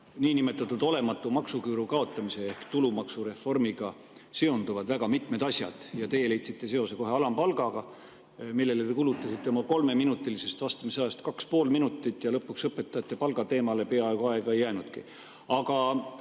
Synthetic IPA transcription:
niːnime̞t̪ːˑɑt̪ːˑud̪o̞le̞mɑt̪ːˑumɑksukyːɾukɑo̞t̪ˑːɑmise̞ehkt̪ulumɑksuɾe̞fo̞rmiɡ̥ɑ | sio̞nd̪uvɑd̪̥væɡ̥ɑmit̪ˑmed̪̥ɑsʲjɑ̰d̪̥jɑt̪e̞je̞le̞jt̪sit̪ːˑe̞se̞o̞seko̞ɦe̞ɑlɑmpɑlɡ̥ɑɡ̥ɑ | milːe̞let̪ekulut̪ˑːɑsit̪ˑːe̞omɑko̞lme̞minut̪ːˑilise̞st̪vɑst̪ɑmiseɑst̪kɑkspo̞ːlminut̪ːˑit̪ːˑjɑlɤpːuksɤpːˑe̞t̪ːˑɑjɑt̪ːe̞pɑlɡ̥ɑt̪e̞ːmɑle̞pe̞ɑeɡ̥uɑe̞ɡ̥ɑe̞jːæːnud̪̥ki | ɑɡɑ

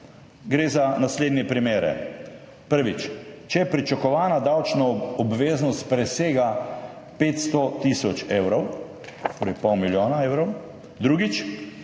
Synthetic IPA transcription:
ɡɾeːzanasleːd̪nɛpɾimeːɾɛ̰ | pəɾʋit͡ʃt͡ʃɛjɛpɾit͡ʃakɔʋaːnad̪awt͡ʃnɔɔbʋeːznɔst̪̚pɾɛseːɡa | peːt̪st̪ɔt̪isɔt͡ʃeːwɾɔw | t̪oːɾɛjpɔwmiljoːnaeːwɾɔw | d̪ɾuɡit͡ʃ

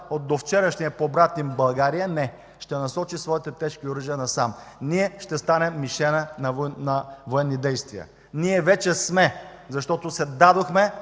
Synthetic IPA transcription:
ot̪̚d̪oft͡ʃɛɾəʃniəpoːbɾat̪nimbɐlˠɡaɾijənɛ | ʃt̪ɛnɐsɔt͡ʃisvɔit̪ɛt̪ɛʃkioɾəʒijənɐsam | niɛʃt̪ɛst̪anɛmːiʃɛnənɐvnɐvoɛnːid̪ɛjst̪viə̰ | niɛvɛt͡ʃɛsmɛ | zɐʃt̪ɔt̪osɛd̪ad̪oxmɛ

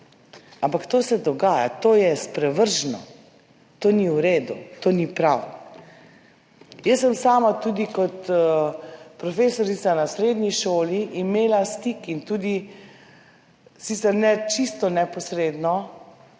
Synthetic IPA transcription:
ampakt̪oːsɛd̪ɔɡaːja̰t̪oːjɛspɾɛʋəɾʒnɔ̰ | t̪oːniuɾeːd̪ut̪oːnipɾaw | jəsːəmsaːmat̪uːd̪ikɔt̪ | pɾɔfeːsɔɾit̪sanasɾeːd̪niʃoːliʔːmeːlast̪iːkint̪uːd̪i | sit̪sɛɾnɛt͡ʃist̪ɔnɛpɔsɾeːd̪nɔ

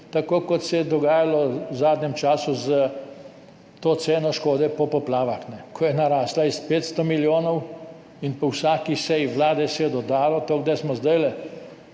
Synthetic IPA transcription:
t̪akoːkɔt̪sɛjɛd̪ɔɡaːjalɔwzaːd̪nʲɛmt͡ʃaːsuzə | t̪oːt̪seːnɔʃkoːd̪ɛpɔpɔplaːʋaxnɛkʰɔjɛnaɾaːslaispeːt̪st̪ɔmiljoːnɔw | inpɔwsaːkisɛjʋlaːd̪ɛsɛjɛd̪ɔd̪aːlɔt̪oːɡd̪ajsmɔzd̪ajlɛ

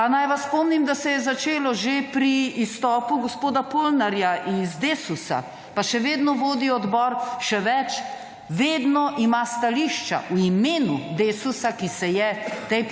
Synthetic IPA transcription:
anajʋasspɔmnimd̪asɛjɛzat͡ʃeːlɔʒepɾiːst̪ɔːpuɡospoːd̪apolnaɾjaʔizd̪eːsusa̰ | paʃɛʋeːd̪nɔʋoːd̪iɔd̪bɔɾʃɛʋɛt͡ʃ | ʋeːd̪nɔʔimast̪aliʃt͡ʃa̰ʔuimeːnud̪eːsusakisɛjɛt̪ɛj

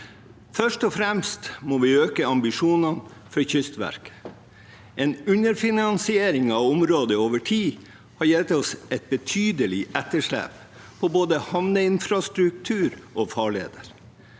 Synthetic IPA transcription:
fœʂʈɔfɾɛmst̪moːʋiːøːkəɑmbɪʂuːnɑn | fɔɾçʏst̪ʋæ̰ɾkə̥ | ʔeːnʉnəɾfɪnɑnsɪeːɾɪŋɑʊmɾoːd̪əoːʋəʈʰiː | hɑɾjɛlt̪ɔsʔɛt̪̚bət̪ʰyːd̪əlɪʔɛt̪ːəʂlæ̰ːp | pʰɔboːd̪əhɑʋnəɪnfɾɑst̪ɾʉk̚t̪ʰʉːɾʔoːfɑːɭḛːd̪əɾ

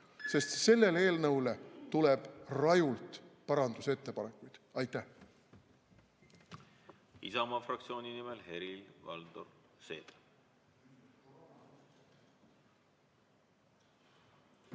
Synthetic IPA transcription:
se̞st̪se̞lːe̞leːlnɤwle̞t̪ule̞b̥rɑjult̪ˑpɑɾɑnd̪̥use̞t̪ːe̞pɑne̞kːˑujd̪̥ɑjt̪ːˑæ | isɑmɑfrɑk̚t̪sio̞ːnʲinimelhe̞ɾilvɑ̰ld̪̥oɾse̞̰ːd̪̥

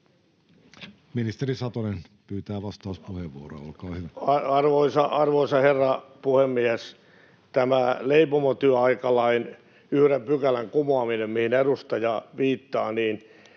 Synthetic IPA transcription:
minist̪erisɑt̪onen | pyːt̪æːʋɑst̪ɑːspuheʋʋuoɾo̰ɑolkɑːhyʋæɑɑrʋoisɑʔɑrʋoisɑherːɑpuhemːies | t̪æmæleipomot̪yøɑikɑlɑin | yhɾempykælæŋkumoɑminemmihinerust̪ɑjɑʋiːt̪ːɑːniːn

